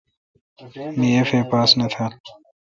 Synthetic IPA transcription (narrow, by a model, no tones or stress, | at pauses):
mijefeːpaːsnɐt̪ʰaː